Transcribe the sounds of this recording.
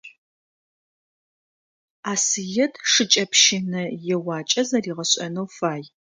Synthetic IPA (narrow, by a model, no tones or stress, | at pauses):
aːsɨjɛdʂɨt͡ʃʼɐpʃɪnɐjɛwɑːt͡ʃʼɐzɐriːʁɐɕʼɐ̰nɐwfaːj